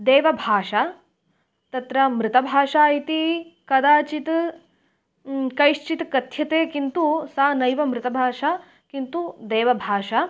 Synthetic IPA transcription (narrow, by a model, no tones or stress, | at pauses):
d̪eːʋɐbʱaːʂa | t̪ɐt̪ɾɐmɾɪt̪ɐbʱaːʂaːit̪ikɐd̪aːt͡ʃit̪ | kɐjʃt͡ʃit̪kɐt̪ʰjɐt̪eːkint̪usaːnɐjʋɐmɾɪt̪ɐbʱaːʂaː | kint̪ud̪eːʋɐbʱaːʃa